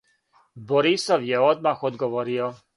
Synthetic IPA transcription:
bɔɾisɔwjɛɔd̪̚maxɔd̪ɡɔʋɔɾiɔ

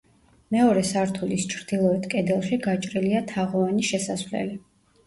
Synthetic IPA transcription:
mɛɔɾɛsaɾt̪ʰulist͡ʃʰɾd̪̥ilˠɔɛt̪ʰkʼɛd̪ɛlˠʃiɡat͡ʃʼɾiliat̪ʰaʁɔvaniʃɛsasvlɛ̰li

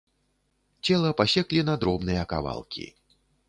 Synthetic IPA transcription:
t͡sʲɛlˠɐpasʲɛklʲinad̪ɾɔbnɨjɐka̰va̰lˠkʲḭ

